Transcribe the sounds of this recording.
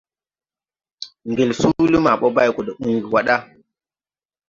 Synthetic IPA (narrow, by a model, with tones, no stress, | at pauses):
ŋɡe˨lsu˦li˦ma˨ɓo˦ba˦jko˨ɗə˨ɓu˦ŋɡi˨wa˦ɗa˦